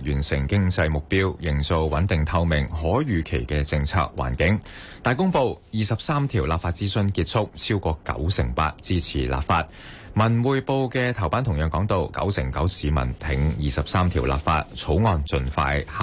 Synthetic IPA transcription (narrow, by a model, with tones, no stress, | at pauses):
jyː˨˩nsɪ˨˩ŋkɪ˥ŋt͡sɐ˧jmʊ˨k̚piː˥wjɪ˨˩ŋt͡so˨˧wwɐ˨˥nt̪ɪ˨ŋt̪ʰɐ˧wmɪ˨˩ŋɦɔː˨˥jyː˨˧kʰe˨˩jkɛː˧t͡sɪ˧ŋt͡sʰa̰ː˧k̚wa̰ː˨˩nkɪ˨˥ŋ | t̪aː˨jkʊ˥ŋpo˧wjiː˨˩sɐ˨p̚saː˥mt̪ʰiː˨˩wlaː˨p̚faː˧t̚t͡siː˥sɵ˧nkiː˧t̚t͡sʰʊ˥k̚t͡sʰiː˥wkɔː˧kɐ̰˨˥wsɪ˨˩ŋpa̰ː˧t̚t͡siː˥t͡sʰiː˨˩la̰ː˨pfaː˧t̚ | mɐ˨˩nwuː˨jpo˧wkɛ˧t̪ʰɐ˨˩wpaː˥nt̪ʰʊ˨˩ŋjœː˨˩ŋkɔː˨˥ŋt̪o˨˧wkɐ̰˨˥wsɪ˨˩ŋkɐ˨˥wsiː˨˧mɐ̰˨˩nt̪ʰɪ˨˥ŋjiː˨sɐ˨p̚saː˥mt̪ʰiː˨˩wla̰ː˨p̚fa̰ː˧t̚t͡sʰo˨˥wŋɔː˨nt͡sɵ˧nfa̰ː˧jh